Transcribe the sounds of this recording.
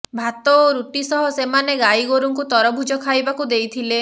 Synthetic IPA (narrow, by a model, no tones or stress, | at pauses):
bʱat̪ɔoɾuʈisɔɦɔsemaneɡaiɡoɾuŋkut̪ɔɾɔbʱud͡ʒɔkʰajbakud̪ejt̪ʰile